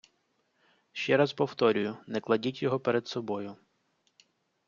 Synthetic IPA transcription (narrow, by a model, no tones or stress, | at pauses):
ʃt͡ʃɛɾaspɔwt̪ɔɾʲʊjʊnɛklˠɐdʲitʲjɔɦɔpeɾɛd̪sɔbɔjʊ